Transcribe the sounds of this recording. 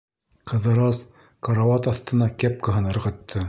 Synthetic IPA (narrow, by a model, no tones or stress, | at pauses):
qɤ̆ðɤ̆ɾɑs | kɑɾɑwɑt̪ɑθt̪ɤ̆nɑkæp̚kɤ̆ɦɤ̆nɤ̆ɾʁɤ̆t̪ʰːɤ